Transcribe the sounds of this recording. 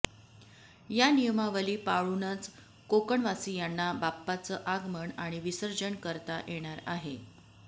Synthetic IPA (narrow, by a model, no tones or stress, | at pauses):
janijəmaʋəliːpaɭunət͡s | kokəɳʋasiːjanːabapːat͡səːʔaɡməɳaɽ̃iʋisəɾd͡ʑəɳkəɾt̪ajʔeɽ̃aɾa̰ɦe